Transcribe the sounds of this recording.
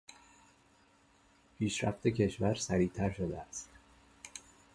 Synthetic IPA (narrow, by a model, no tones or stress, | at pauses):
pʰiːʃɾæ̰ft̪ʰe̞cʰe̞ʃvæɾsæɾiːt̪ʰæɾʃod̪ḛæst̪